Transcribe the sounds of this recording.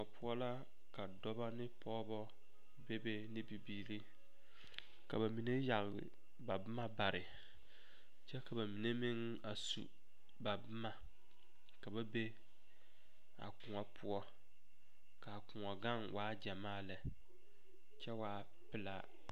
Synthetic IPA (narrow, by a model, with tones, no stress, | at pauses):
ɔ˨pʰʊ˦ɔ˦la˦ | ka˨dɔ˦ba˦nɪ˦pʰɔː˦bɔ˦ | be˦be˦nɪ˦bi˨biː˨ɾi˦ | ka̰˨ba˨mi˨ne˦ja˨ɣlɪ̰˨ | ba˨bʊ˦ma˦ba˨ɾɪ˨ | t͡ʃɛ˦ka˨ba˨mi˨ne˦mɪ˦ŋ | a˨sṵ˨ | ba˨bʊ˦ma˨ | ka˨ba˦be˦ | a̰˨kʊ˨ŋɔ˨pʰʊ˦ɔ˦ | ka˨kʊ˨ŋɔ˨ɡa˦˨ŋwʔaː˦d͡ʒa˨maː˦˨la˨ | t͡ʃɛ˦waː˨˦ | pɪ˨la˦